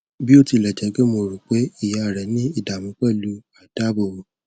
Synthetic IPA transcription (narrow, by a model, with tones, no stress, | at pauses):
bi˦o˦˨ti˧˨lɛ˨d͡ʒɛ˨˦ɡe˦mo˧˨ɾu˨k͡pe˨˦i˦˨ja˨˦˨ɾɛ˨˦nĩ˦i˦˨da˨mũ˨˦k͡pɛ˦˨lu˦a˨da˦bo˨o˨